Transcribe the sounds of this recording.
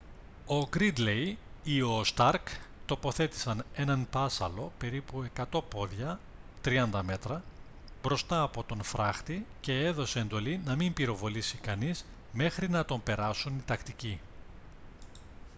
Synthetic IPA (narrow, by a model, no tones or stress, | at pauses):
o̞ɡɾid̪le̞jio̞st̪ɐɾkt̪o̞po̞θe̞t̪i̥sɐne̞nɐnpɐsɐlo̞pe̞ɾipue̞kɐt̪o̞po̞ðʝɐ | t̪ɾiɐnd̪ɐme̞t̪ɾɐ | bɾo̞st̪ɐːpo̞t̪o̞nfɾɐxt̪ice̞eðo̞seend̪o̞linɐmimbiɾo̞vo̞lisikɐniz | me̞xɾinɐt̪o̞mpe̞ɾɐsunit̪ɐkt̪ici